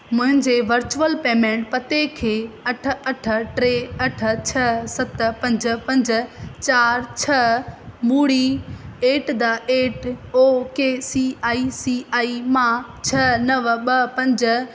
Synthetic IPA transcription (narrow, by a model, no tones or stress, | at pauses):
mʊ̃ɦɪ̃ɲd͡ʑeʋɐɾt͡ɕuəlpeːmẽːʈpɐt̪ekʰeːɐʈ̆ʰɐʈʰə̆ʈɾeːɐʈʰə̆t͡ɕʰɐsɐt̪pɐ̃ɲd͡ʑ̆pɐ̃ɲd͡ʑ̆t͡ɕaːɾt͡ɕʰɐmuːɽieːʈd̪aʔeːʈoːkeːsiːaːisiaːimãt͡ɕʰɐnɐʋɓɐpɐ̃ɲd͡ʑ̆